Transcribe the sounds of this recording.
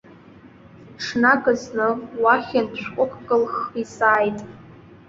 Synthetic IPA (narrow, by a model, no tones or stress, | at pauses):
ʈ͡ʂʰnaɡʼɨznɨwaχʲandʃʷᶣqʷʼʊkʷʰʼɡʼɨlχisaːjtʼ